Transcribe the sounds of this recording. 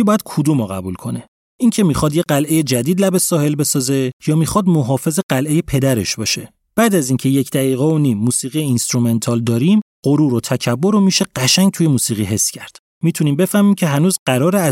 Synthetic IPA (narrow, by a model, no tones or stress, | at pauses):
ibɒːjæd̪̥̚kʰod̪umɒɣæbulkʰo̞ne̞ | ʔiŋcʰe̞miːxɒːd̪jeɢælʔe̞jed͡ʒæd̪iːd̪læbe̞sɒːhe̞lbe̞sɒːze̞jɒːmixɒːd̪mo̞ɦɒːfe̞ze̞ɢælʔe̞je̞pʰe̞d̪æɾe̞̰ʃbɒːʃe̞ | b̥æːd̪æziːŋcʰe̞je̞cʰd̪æɣiːɣeonimːuːsiːɣijeinst̪ɾume̞nt̪ʰɒːld̪ɒːɾimɢ̥oɾuːɾot̪ʰæcʰæbːoɾomiːʃe̞ɢ̥æʃæŋ̚t̪ʰuje̞muːsiːɣiɦe̞sːcʰæɾd̪̥ | miːt̪ʰuniːmbe̞fæhmiːmcʰe̞ɦænuːzɢæɾɒːɾeæ